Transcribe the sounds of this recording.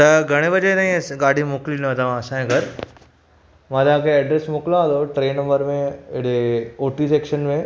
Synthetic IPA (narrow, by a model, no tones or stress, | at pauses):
t̪ɐɡʱɐɽ̃eʋɐd͡ʑet̪ãĩɡaːɖʱimoːkliɪt̪ɐʋ̤ãɐsãẽɡɐɾ | mãt̪ɐãːkʰeɛːɖɾesmʊːklãd̪oʈɾeːnɐ̃mbəɾmẽɪɽeoːʈiseːkʃənmẽ